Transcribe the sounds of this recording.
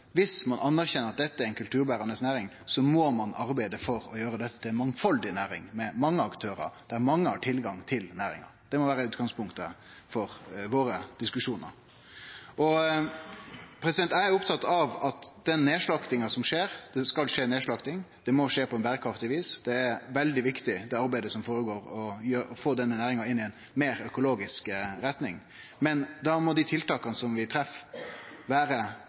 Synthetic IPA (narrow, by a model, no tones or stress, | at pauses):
ʋɪsmɑnʔɑnːæɾçɛnəɾɑt̪̚d̪ɛt̪ːəæɾɛɪnkʰʉlt̪ʰʉːɾbæːɾɑnəsnæːɾɪŋ | sɔmɔmɑnʔɑɾbæɪd̪əfɔɾɔjøːɾəd̪ɛt̪ːət̪ʰɪlɛnmɑŋfɑld̪ɪnæːɾɪ̰ŋmɛmɑŋːəɑkt̪ʰøːɾɑ̰ɾd̪̥æɾmɑŋːəhɑʈʰɪlɡɑŋt̪ʰɪlnæːɾɪ̰ŋɑ̰d̪̥ɛmɔʋæːɾəʉːt̪ɡɑŋspʰʊŋkt̪ə | fɔɾʋoːɾəd̪̥ɪskʉʂuːnə̰ɾ | ɔ | pʰɾɛsɪd̪ɛnt̪æɪæɾʊpt̪ʰɑt̪ːɑʋɑt̪d̪̥ɛnːeːʂɭɑkt̪ɪŋɑsɔmʂeːɾd̪̥ɛskɑlʂeːneːʂɭɑːɡt̪ʰɪŋd̪̥ɛmɔʂeːpʰɔɛnbæːɾəkʰɾɑft̪ɪʋiːsd̪̥ɛːæɾʋɛld̪ɪʋɪkt̪ɪd̪ɛɑɾbæɪd̪əsɔmfoːɾəɡoːɾɔjøːɔfoːd̪ɛnːənæːɾɪŋɑɪnːɪɛɪnmeːɾœkʊloːɡɪskɾɛt̪nɪŋ | mɛnd̪ɑmɔd̪ɪt̪ʰɪlt̪ɑːkɑnəsɔmʋɪt̪ʰɾɛf | ʋæːɾə